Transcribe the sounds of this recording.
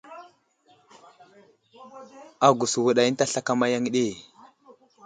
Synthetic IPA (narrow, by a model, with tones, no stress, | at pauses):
a˨ɡu˨su˨wu˨ɗa˨ji˦n˦ta˦ɬa˦ka˦ma˦ja˦ŋ˦ɗe˦˨